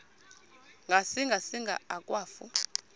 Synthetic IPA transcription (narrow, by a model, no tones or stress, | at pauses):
ŋɡʱasiŋɡʱasiŋɡʱa̰ak̬ʼwaːfṵ